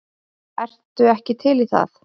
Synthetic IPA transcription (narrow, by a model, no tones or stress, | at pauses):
ɛr̥t̪ʏɛhcɪt̪ʰɪliθa̰θ